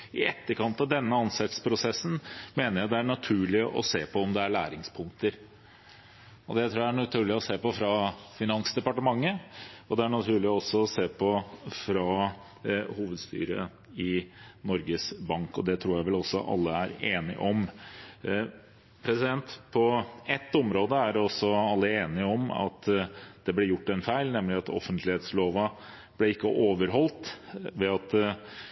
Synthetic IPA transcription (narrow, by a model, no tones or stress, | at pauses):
ɪɛt̪ːəɾkɑnt̪ɑʋd̪ɛnːəɑnsɛt̪spʰɾʊsɛsːən̩meːnəɾjæɪd̪ɛæɳɑt̪ʰʉːɭɪʔɔ̰seːpʰɔɔmd̪ɛæɭæːɾɪŋspʰʊŋk̚t̪əɾ | ɔd̪ɛæɪt̪ɾuːææɳɑt̪ʰʉːɭɪɔseːpɔfɾɑfɪnɑnsd̪ɛpɑʈəmɑŋːəɔd̪ɛæɳɑt̪ʰʉːɭɪɔɔsːɔːseːpʰɔfɾɑ | huːʋəd̪st̪y̰ːɾə̰ | ɪnɔɾɡəsbɑŋkɔ̰d̪ɛt̪ʰɾuːɾjæɪʋɛlɔsːɔ̰ʔɑ̰lːəæɾeːnɪ̰ʔɔm | pʰɾɛsɪd̪ɛnt̪pʰɔɛt̪ːɔmɾoːd̪əæɾɔsːɔɑlːəeːnɪɔmɑ̰t̪d̪ɛblɛjʊʈːɛnfæɪlnɛmlɪɑt̪ɔ̰fənt̪lɪheːt̪sloːʋɑ | b̥lɛɪkːəʔoːʋəɾɦɔlt̪ʋɛɑt̪